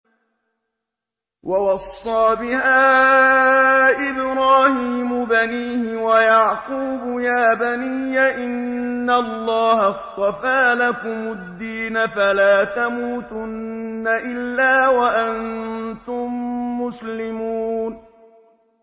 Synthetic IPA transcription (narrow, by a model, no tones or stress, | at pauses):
wʔawɑsˤːɑːbɪhaː | ʔɪbɾaːhiːmʊbaniːhɪwajɑʕquːbʊjaːbaniːjaʔɪnːalːɑːhɑst̪ˤɑfaːlakʊmʊd̪ːiːnafalaːt̪amuːt̪ʊnːaʔɪlːaːwaʔannt̪ʊmːʊslɪmuːn